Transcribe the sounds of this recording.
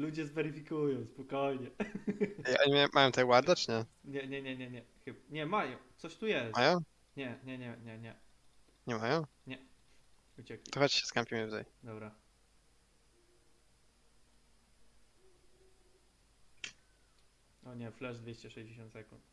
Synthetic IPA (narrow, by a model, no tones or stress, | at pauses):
lud͡ʑɛzvɛɾɨfʲikujɔ̃w̃spɔkɔjɲɛ | iʔɔɲimaj̃majɔ̃w̃t̪ɛwaɾd̪at͡ʂɲɛɲɛɲɛɲɛɲɛɲɛxɨbɲɛmajɔ̃w̃t̪sɔɕt̪ujɛsajɔ̃w̃ | ɲɛɲɛɲɛɲɛɲɛ | ɲɛmajɔ̃w̃ɲɛ | ut͡ɕɛkʲit̪ɔxɔt͡ɕi̥ɕɛ̥skampʲiməvza̰jd̪ɔbɾa | ɔɲɛflɛʐd̪vʲeɕt͡ɕɛʂɛjd͡ʑeɕɔ̃nt̪sɛkṵnt̪